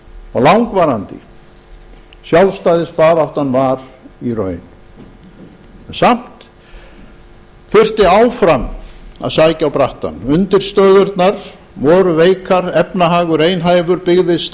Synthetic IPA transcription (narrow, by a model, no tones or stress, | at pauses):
ɔ̰ɣlawŋkvaːɾant̪ɪ̰ | sjawlst̪aːjðɪspaːɾawht̪anvaɾirœ̰ːɥn | ɛnsam̥t̪ | θʏr̥t̪ɪawfɾama̰ðsaːjcawpɾaht̪a̰nʏnt̪ɪɾ̥st̪œːðʏɾt̪naɾ̥ | vɔɾʏveːjkʰaɾɛpnaɦaːɣʏɾeːjnɦaːjvʏɾpɪɣðɪs